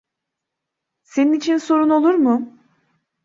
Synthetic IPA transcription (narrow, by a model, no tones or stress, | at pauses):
se̞ninit͡ʃʰinso̞ɾuno̞lˠuɾmʊ